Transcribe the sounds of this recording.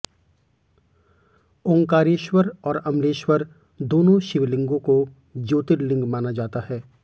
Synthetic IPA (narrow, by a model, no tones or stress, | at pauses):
õŋkaːɾeːʃwəɾɔːɾɐmleːʃwəɾ | d̪oːnõʃɪʋlɪ̃ŋɡõko | d͡ʒoːt̪ɪɾlɪ̃ŋɡmaːnad͡ʒaːt̪aɦɛː